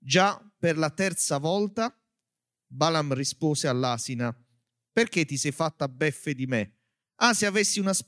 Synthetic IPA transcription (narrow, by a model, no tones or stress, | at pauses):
d͡ʒaperlat̪ɛrt̪savɔlt̪a | balamrispoːsealːaːsina | perk̟et̪ːisɛjfat̪ːabːɛfːed̪ime | aseavesːiunas